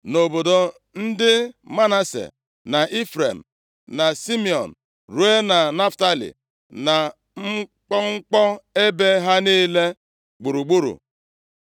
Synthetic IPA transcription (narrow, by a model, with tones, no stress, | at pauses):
no˨bo˨do˨ | n̩˦dɪ˦ma˦na˦sḛ˨ | na˨ʔi˦fɾe˨m̩˨ | na˨si˦mi˨ɔ̰˨n̩˨ | ɾu˦e˦na˨na˦fta˦lḭ˨ | na˨ | ŋ͡m̩˦k͡pɔ˦ŋ̩˦k͡pɔ˦e˦be˦ɦa˦niː˦le˦ | ɡ͡bu˨ɾu˨ɡ͡bu˦ɾṵ˨